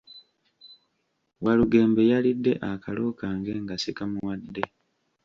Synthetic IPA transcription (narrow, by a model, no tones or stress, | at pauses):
waluɡe̞ːmbe̞jalidːe̞ʔakalo̞kaːŋɡe̞ŋɡasikamuwadːe̞